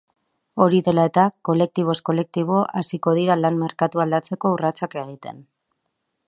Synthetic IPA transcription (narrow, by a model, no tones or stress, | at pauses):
o̞ɾiðe̞lae̞t̪ako̞le̞k̚t̪iβ̞o̞sko̞le̞k̚t̪iβ̞o̞ʔasiko̞ð̞iɾalanme̞ɾkat̪uald̪at͡se̞ko̞urat͡sake̞ɣit̪e̞n